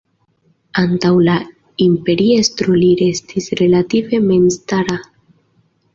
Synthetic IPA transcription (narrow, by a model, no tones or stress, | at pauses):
antawla | impe̞ɾiest̪ɾuliɾe̞stʰisɾe̞lative̞me̞nstaɾa